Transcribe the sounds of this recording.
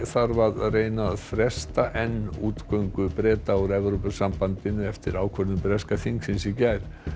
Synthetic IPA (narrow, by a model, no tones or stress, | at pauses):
θaɾvaðreːjnaðθɾɛst̪aʔɛnːuːt̪kœɥŋkʏpɾɛːt̪awɾɛvɾowpʏsampant̪ɪnʏɛft̪ɪɾaːwkʰœɾnʏmpɾɛskaθiŋksɪnsicajɾ